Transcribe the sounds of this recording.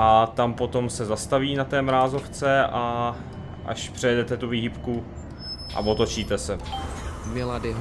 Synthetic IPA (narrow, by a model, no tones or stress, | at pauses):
ʔat̪ampo̞t̪o̞msɛzast̪aviːnat̪ɛːmɾaːzo̞ft͡sɛʔa | ʔa̰ʃpr̝̥ɛjɛdɛt̪ɛt̪uviːɦipku | ʔa̰vot̪o̞t͡ʃiːt̪ɛsɛ | mɪladɪ